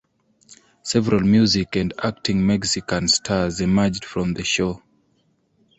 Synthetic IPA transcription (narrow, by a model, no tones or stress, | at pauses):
sɛvɛɹalˠmjuzikæ̃ndak̚tĩŋmɛksikãnstʰazimad͡ʒd̥fɹɔ̃mðəʃo